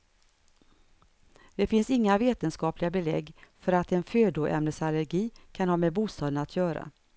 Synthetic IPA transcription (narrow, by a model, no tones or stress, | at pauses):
d̪̥ɛfɪnsɪŋːaveːt̪ənskɑːplɪɡabɛlɛ̰ɡːfœɾat̪ɛnføːd̪ʊʔɛ̰mnəsaləɾɡiːkʰanhɑːmɛbuːst̪ɑːd̪ənat̪ʰjœːɾa̰